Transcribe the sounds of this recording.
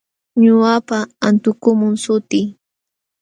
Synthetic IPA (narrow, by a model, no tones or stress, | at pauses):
ɲʊapaant̪ʊkʊmʊŋsʊt̪ɪː